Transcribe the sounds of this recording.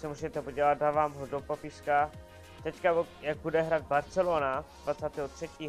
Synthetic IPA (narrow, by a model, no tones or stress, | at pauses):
sɛmuzɛt̪ɛpoɟɛlat̪̚daːvaːmɦodopapɪʃka | t̪ɛckajaɡ̚budɛɦɾaːd̪̚baɾt̪t͡sɛloːnadvat̪t͡saːt̪ɛːɦot̪r̥ɛciːɦ